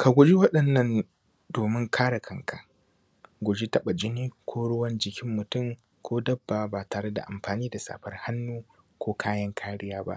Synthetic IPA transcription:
ka˨ɡʷʊ˨d͡ʒi˦wɐ˦ɗɐ˨nːɐ˦n | doː˨mɪ˦ŋkʰaː˦ɽa˨kʰɐ˨ŋkʰa˨ | ɡʷʊ˨d͡ʒi˦tɐ˦ɓa˨d͡ʒɪ˦niː˦kʷʰoː˦ɽʊ˦wɐ˦nd͡ʒɪ˨kʲɪ˦mːʊ˨tʊ˦˨m | kʷoː˦dɐ˦bːa˨baː˨taː˨ɽe˦da̰˨ʔa˨mɸaː˨niː˦da˨sa̰ː˨ɸɐ˦rha˦nːuː˦ | kʷoː˦kʰaː˦jɐ˦ŋkʰaː˦ɽɪ˦jaː˦ba̰˦ʔ

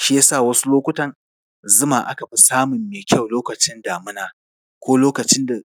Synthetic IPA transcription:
ʃɪ˦ja˦saː˦˨wɐ˦su˦loː˦kʷʊ˦tɐ˨n | zʊ˦maː˨ʔa̰˦ka˨ɸi˦saː˦mʊ˨mːeː˨kʲɐ˦˨wloː˦kɐ˨t͡ʃɪ˦ndaː˨mʊ˦naː˨ | kʷoː˦loː˦kɐ˨t͡ʃɪ˦nda˨

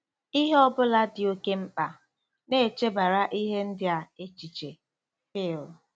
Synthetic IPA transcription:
i˦ɦe˦ɔ˦bʊ˦la˦dɪ˨o˦ke˦m̩˦k͡pa˨ | ne˦˨t͡ʃe˦ba˨ɾa˦ʔi˦ɦe˦n̩˦dɪ˦a˨e˦t͡ʃi˨t͡ʃe˨ | hɪː˦˨lʊ˨

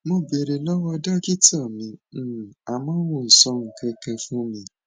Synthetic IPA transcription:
mo˧be˨ɾe˨lɔ˦wɔ˧da˦ki˦tɔ˦˨mĩ˨˧˦a˨mãː˨˦w̃ũ˨n̩˨sɔ̃˧ŋ̩˨kɛ̃˧kɛ˧fũ˦mĩ˧˦

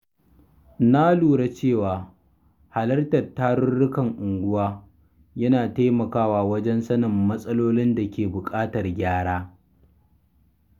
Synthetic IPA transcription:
na˦luː˨ɽa˦t͡ʃeː˦˨waː˨ | ha˨lɐ˦rtɐ˨rtːaː˦ɽʊ˦rɽʊ˦kɐ˨ŋʔʊ˨ŋɡʷʊ˦waː˦ | jɐ˦naː˨ta˦mɐ˨kaː˦waː˨wɐ˦d͡ʒɛ˦nsɐ˦nɐ˨mːɐ˦sʼɐ˦loː˦lɪ˦nda˨kʲeː˨bʊ˨kʼaː˦tɐ˨rɡʲaː˦ɽaː˦

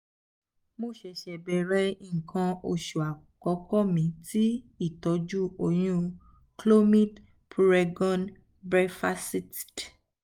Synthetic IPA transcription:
mo˧ʃɛ˨ʃɛ˨bɛ˨ɾɛ˨˧˦i˦ŋ̩˨kʰã˧o˧˨ʃu˨a˨ | kɔ˨˦kɔ˦˨mĩ˨˦ti˦ | i˦˨tɔ˨˧d͡ʒu˦o˧˨j̃ũ˦ | klo˦mĩ˦t | pʰu˧ɾɛ˧ɡɔ̃˦n | bɾɛ˧fa˦si˦t

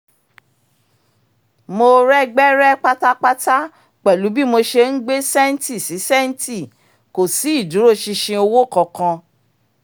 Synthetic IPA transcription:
mo˧ɾɛ˦ɡ͡bɛ˦ɾɛ˦k͡pa˦ta˦k͡pa˦ta˦ | k͡pɛ˨lu˨˦bi˦mo˧ʃe˧n̩˦ɡ͡be˦sɛ˦n̩˦ti˦˨si˨˦sɛ˦n̩˦ti˦˨ | ko˨si˨˦i˦˨du˨˦ɾo˦˨ʃi˧ʃĩ˧o˧wo˦˨kɔ̃˧˨kã˧

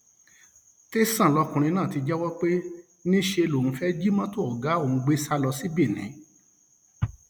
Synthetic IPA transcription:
te˦sã˦˨lɔ˧kũ˧ɾ̃ĩ˧nãː˦˨ti˧d͡ʒɛ˦wɔ˦k͡pe˦ | nĩ˦ʃe˧lo˨ũ˨˧fɛ˦d͡ʒi˦mã˦to˦ɔ˨ɡa˨˦o˦˨ñ̩˨˧ɡ͡be˦sa˦lɔ˧si˦bi˦˨nĩ˨˦

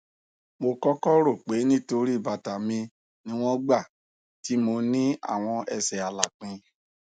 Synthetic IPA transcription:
mo˧kɔ˦kɔ˦ɾo˦˨k͡pe˨˦nĩ˦to˧ɾi˦˨ba˨ta˨mĩ˧ | nĩ˦w̃ɔ̃˦ɡ͡ba˦˨ | ti˨˦mo˧nĩ˦a̰˦˨w̃ɔ̃˧ɛ˧sɛ˨a˨la˨k͡pĩ˧

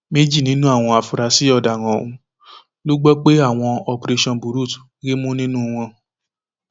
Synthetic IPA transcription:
me˦d͡ʒi˦˨nĩ˨˦nũ˦a˦˨w̃ɔ̃˧a˨fu˨ɾa˨si˨˦ɔ˧˨da˨w̃ã˨o˨ũ˨˦ | lo˦ɡ͡bɔ˦k͡pe˦a˦˨w̃ɔ̃˧ɔ˧pɾe˧ʃɔ̃˧nbu˨˦ɾu˦˨tɡi˦mũ˦nĩ˦nũ˦˧w̃ɔ̃˧

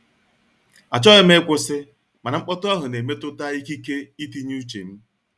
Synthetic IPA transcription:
a˨t͡ʃɔ˦ɪ˦m˦e˦kʷʊ˦sɪ˦ | ma˨na˨ŋ͡m̩˦k͡pɔ˦tʊ˦a˦ɦʊ˨ne˨me˦tʊ˦ta˦i˦ki˦ke˦i˦ti˦ɲ˦u˦t͡ʃḛ˨n̩˦

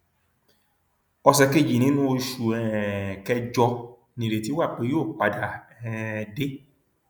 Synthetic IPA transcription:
ɔ˧sɛ˧ke˦˨d͡ʒi˨nĩ˦nũ˦o˧ʃu˨ɛ˨kɛ˧d͡ʒɔ˧ | nĩ˨ɾe˨ti˨˦wa˦˨k͡pe˧˦joː˦˨k͡pa˨da˨ɛ˨de˦

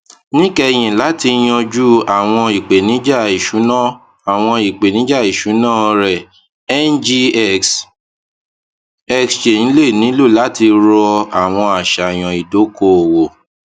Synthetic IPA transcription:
nĩ˦kɛ˧j̃ĩ˨la˨˦ti˧j̃ɔ̃˧d͡ʒu˦a˨w̃ɔ̃˧i˨k͡pe˨nĩ˨˦d͡ʒa˦˨i˨ʃu˨˦nã˦˨ | a˨w̃ɔ̃˧i˨k͡pe˨nĩ˨˦d͡ʒa˦˨i˨ʃu˨˦nãː˦ɾɛ˨ | ɛ˦nd͡ʒi˧˦ks | ɛ˧ksʃe˨nĩ˨˦le˦˨nĩ˨˦lo˦˨la˨˦ti˧ɾɔ˧a˨w̃ɔ̃˧a˨ʃa˨j̃ɔ̃˨i˨do˨˦ko˦˨wo˨

